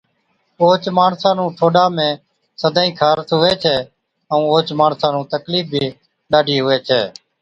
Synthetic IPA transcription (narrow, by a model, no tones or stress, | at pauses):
oːt͡ʃmaːɳsãːnũːʈʰoːɗaːmẽː | səd̪ʱãːĩːkʰaːɾət̪ɦʊʋeːt͡ʃʰɛː | əũːoːt͡ʃmaːɳsãːnũːt̪əkliːf̚bʱiː | ɗaːɖʱiːɦʊʋeːt͡ʃʰɛ̰ː